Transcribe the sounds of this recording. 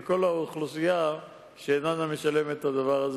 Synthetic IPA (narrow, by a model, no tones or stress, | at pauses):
ko̞lauχlusija | ʃeːnaname̞ʃale̞met̪had̪avaʁaz